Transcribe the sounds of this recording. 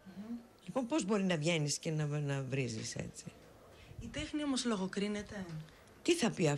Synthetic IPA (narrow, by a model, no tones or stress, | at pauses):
lipo̞npo̞zbo̞ɾinɐvʝe̞niscenɐnɐvɾizḭse̞̰t͡si | it̪exniomoslo̞ɣokɾinet̪e | t̪iθɐpiɐ